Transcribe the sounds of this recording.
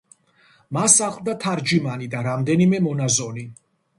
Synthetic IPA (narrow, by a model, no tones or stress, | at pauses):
masaχlˠd̪at̪ʰaɾd͡ʒimanid̪aɾamd̪ɛnimɛmɔnazɔni